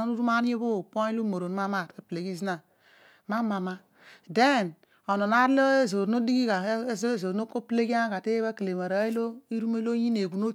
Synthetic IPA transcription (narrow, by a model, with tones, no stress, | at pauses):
o˦nu˦ɾu˦ma˦n˦e˦bo˦˨po˦i˦lo˦mo˨ɾo˨n˦ma˦ma˦˨te˦ple˨ɡi˦zi˦na˨ | ma˦ma˨ma˦ | de˦˨n | o˨no˨na˦ɾlo˦e˦zo˨˦o˦di˦ɡi˦ka˨˦zzo˨ɾo˦ko˦ple˦ɡi˦a˦ka˨te˦ba˦ke˨le˨ma˨ɾa˨˦i˦lo˦i˦ɾu˦me˦lo˦ji˦ne˨ɡu˨no˦